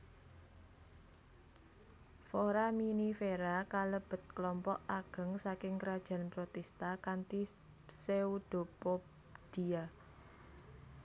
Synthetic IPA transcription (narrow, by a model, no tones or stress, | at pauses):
foɾaminifeɾakaləb̥ə̤t̪̚klɔmpɔʔaɡ̥ə̤ŋsakɪŋkəɾad̥ʒ̥a̤npɾot̪ɛst̪akant̪i | seud̪̥o̤pop | d̪̥ia